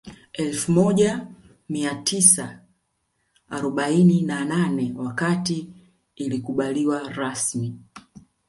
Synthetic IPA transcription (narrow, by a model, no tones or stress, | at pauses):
ɛlfumɔʄa | miatʰisa | aɾɔɓaininananɛwakatiː | likuɓaliwaɾasmi